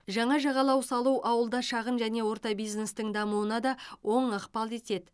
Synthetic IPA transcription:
ʒɑɴɑʒɑʁɑlˠɑwsɑlˠuwʔɑwəlˠd̪ɑʃɑʁənʒæne̞wo̞ɾt̪ɑbijzne̞st̪əŋd̪ɑmuwənɑd̪ɑwo̞ɴəqpɑlˠe̞t̪e̞d̪ɪ

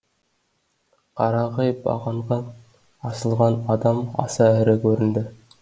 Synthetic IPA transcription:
qʰɑɾɑʁɑjbɑ̰ʁɑɴʁɑ | ɑsə̆lˠʁɑnɑd̪ɑmɑ̰sɑɪɾɘkʲʰɵɾɪ̆nd̪ɪ

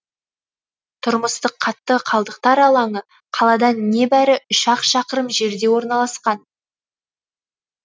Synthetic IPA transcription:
t̪ʰʊɾməst̪əqʰːɑt̪ːəqʰɑlˠd̪əqt̪ɑɾɑlˠɑɴə | qʰɑlˠɑd̪ɑnːe̞bæɾɪʏʃɑqʃɑqəɾəmʒe̞ɾd̪e̞wo̞ɾnɑlˠɑsqɑn

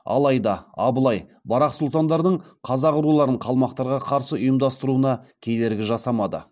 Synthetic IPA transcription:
ɑ̰lˠɑjd̪ɑɑbəlˠɑjbɑɾɑqsʊlˠt̪ɑnd̪ɑɾd̪əɴqʰɑzɑqʊɾulˠɑɾəɴqʰɑlˠmɑqt̪ɑɾʁɑqʰɑɾsəʊjəmd̪ɑst̪əɾuənɑkʲʰed̪e̞ɾɡʲɪʒɑsɑmɑd̪ə̰

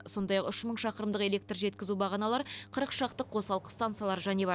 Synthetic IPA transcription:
so̞nd̪ɑjɑqʏʃməɴʃɑqəɾəmd̪əqe̞lʲe̞k̚t̪rʒe̞t̪kʲɪzubɑʁɑnɑlˠɑɾqʰəɾəqʃɑqt̪əqʰːo̞sɑlˠqə̥st̪ant̪sijalˠɑɾʒæne̞bɑɾ

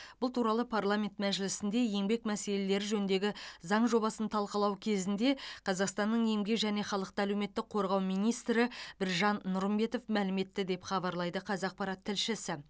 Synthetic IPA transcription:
bbʊlˠt̪ʰuɾɑlˠəpʰarlˠamʲe̞nt̪mæʒɪlɪsɪnd̪e̞je̞ŋbe̞kmæse̞le̞le̞ɾɪʒɵnnd̪e̞ɡʲɪzɑɴʒo̞βɑsənt̪ʰɑlˠqəlˠɑwkʲʰe̞zɪnd̪e̞qʰɑzɑqst̪ɑnːəɴje̞mɡʲe̞kʒæne̞χɑlˠəq̚t̪əælewme̞t̪ːɪk̚qʰo̞ɾʁɑwmijnijst̪ɾɪbɪɾʒɑnːʊɾəmbe̞t̪o̞fmælɪme̞t̪ːɪd̪e̞pχɑbɑɾlˠɑjd̪əqʰɑzɑq̚pɑɾɑt̪ʰːɪlʃɪsɪ

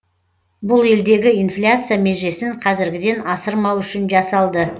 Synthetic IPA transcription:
bʊlˠe̞ld̪e̞ɡʲɪijnflʲat̪sɨjameʒesɪɴqʰɑzɪɾɡʲɪd̪e̞nɑsəɾmɑwʏʃɪnʒɑsɑlˠd̪ə

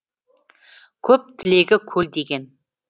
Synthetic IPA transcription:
kʲʰɵp̚t̪ʰɪle̞ɡʲɪkʲʰɵld̪e̞ɡʲe̞n

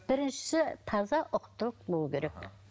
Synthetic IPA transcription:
b̥ɪɾɪnʃɪ̥sɪt̪ʰɑzɑʔoqʰʊ̥t̪ːʊlˠəq̚bolˠɡʲeɾekʲ

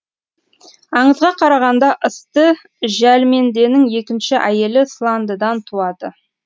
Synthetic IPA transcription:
ɑɴəzʁɑqʰɑɾɑʁɑnd̪ɑʔəst̪ə | ʒælme̞nd̪e̞nɪŋje̞kʲɪnʃɪʔæje̞lɪslˠɑnd̪əd̪ɑnt̪ʰuɑd̪ə

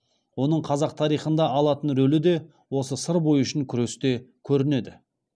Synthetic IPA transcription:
wo̞nəɴqʰɑzɑq̚t̪ʰɑɾijχənd̪ɑɑlˠɑt̪ənɾɵlɪd̪e̞ | wo̞səsəɾbo̞jʏʃɪŋkʲʰʏɾe̞st̪e̞kʲʰɵɾɪne̞d̪ɪ

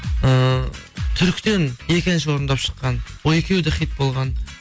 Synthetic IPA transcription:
ə | t̪ʰʏɾkʲt̪e̞nje̞kʲɪnʃ̬ɪwo̞ɾənd̪ɑpʃə̥qːɑnwoj̪e̞kʲe̞wd̪ɪχijt̪̚bo̞lˠʁɑn

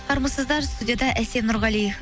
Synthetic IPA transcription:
qoɾməsəzd̪ɑɾst̪udʲɪjad̪ɑʔæsemnuɾʁɑlijef

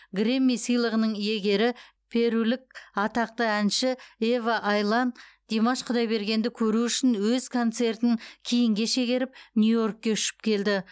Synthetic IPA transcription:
ɡremːijsijlˠəʁənəɴje̞ɡʲe̞ɾɪ | pʰe̞ɾulɪk̚ɑt̪ɑq̚t̪əænʃɪevaʔɑjlˠɑnd̪̥emɑʃqʰʊd̪ɑjbe̞ɾɡʲe̞nd̪ɪkʲʰɵɾuʏʃɪnwɵzkʰo̞nt̪se̞ɾt̪ɪŋkʲʰijɪŋɡʲe̞ʃe̞ɡʲe̞ɾɪp̚nʲjujo̞rk̚ːʲe̞ʏʃɪ̥p̚kʲʰe̞ld̪ɪ

